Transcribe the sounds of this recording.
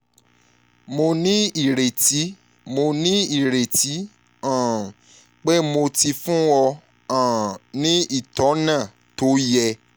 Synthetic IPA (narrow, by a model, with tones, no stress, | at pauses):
mo˧nĩ˦i˦˨ɾe˨ti˨˦ | mo˧nĩ˦i˦˨ɾe˨ti˨˦ | ã˨ | k͡pe˦mo˧ti˧fũ˦ɔ˧ | ã˨nĩ˦i˦˨tɔ˨˦nã˦˨ | to˦jɛ˧